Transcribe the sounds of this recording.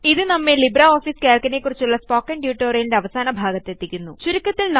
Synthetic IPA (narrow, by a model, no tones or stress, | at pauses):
iðɨnɐmːelibrɐoːfiːskeːlkɐne̞kːurit͡ɕːuɭːɐspoːkːɐɳɖjuːʈːoːɾejindeɐʋɐsaːnɐbʱaːɡɐt̪ːet̪ːikʲːunːṵt͡ɕuɾikːɐt̪ːilnɐ